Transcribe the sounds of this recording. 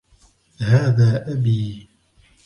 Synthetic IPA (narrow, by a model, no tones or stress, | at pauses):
haːðaːʔabiː